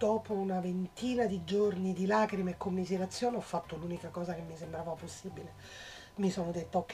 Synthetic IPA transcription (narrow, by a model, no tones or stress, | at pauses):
d̪̥oːpounavent̪iːnad̪id͡ʒornid̪ilaːkɾimekːomːizeɾat̪sːjoːneɔfːat̪ːoluːnikakɔːzakemːisembɾaːvaposːiːbile | misoːnod̪et̪ːaokː